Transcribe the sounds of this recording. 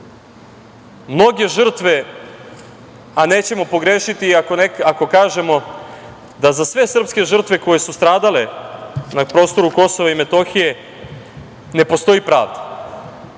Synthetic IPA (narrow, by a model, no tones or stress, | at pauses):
mno̞ɡe̞ʒr̩t̪ʋe̞ | aneːt͡ɕe̞mo̞po̞ɡɾeːʃit̪iakonekako̞kaːʒe̞mo̞ | d̪azasʋe̞sr̩pske̞ʒr̩t̪ʋe̞ko̞je̞sust̪ɾaːd̪ale̞napɾo̞ːst̪o̞ɾuko̞so̞ʋaime̞t̪o̞xije̞ | ne̞po̞st̪o̞jipɾa̰ːʋd̪ḁ